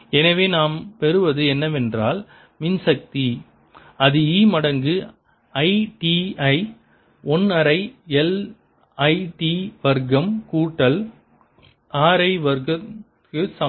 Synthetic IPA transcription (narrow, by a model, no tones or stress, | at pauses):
ɛnɐʋeːnaːmpɛɾɯʋɐðɯɛnːɐʋɛndraːl | mɪnsɐk̚t̪i | ɐðɯiːmɐɽɐŋɡɯ | ɐɪʈiɐɪ | ɔnɐɾɐɪɛl | ɐɪʈiʋɐɾɡɐmkuːʈːɐl | aːɾɐɪʋɐɾɡɐ | kɯsɐ